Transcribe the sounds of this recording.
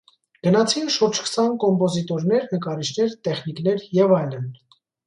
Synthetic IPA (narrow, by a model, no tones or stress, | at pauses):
ɡ̥ənɑt͡sʰinʃuɾd͡ʒʰkʰə̥sɑnkɔmpɔzit̪ɔɾnɛɾnəkɑɾit͡ʃʰnɛɾt̪ɛχniknɛɾjɛvɑjlən